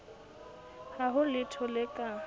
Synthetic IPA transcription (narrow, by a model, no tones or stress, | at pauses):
haɦʊlɪtʰɔlɪkʼa